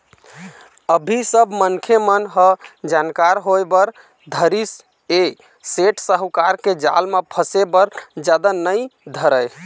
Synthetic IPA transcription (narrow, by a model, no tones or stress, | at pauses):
əbʱisəbʱmənkʰemənɦəd͡ʒankaɾɦoebəɾ | d̪ʱəɾis | e | seʈsəɦkaɾked͡ʒa̰lmepʰəsebəɾd͡ʒad̪anəjd̪ʱəɾəj